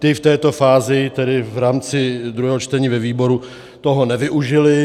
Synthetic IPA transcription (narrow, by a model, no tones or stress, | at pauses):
t̪ɪft̪ɛːt̪o̞faːzɪt̪ɛdɪvɾaːmt͡sɪd̪ɾuɦɛːɦot͡ʃt̪ɛɲiːvɛviːbo̞ɾu | t̪oɦo̞nɛvɪʔuʒɪlɪ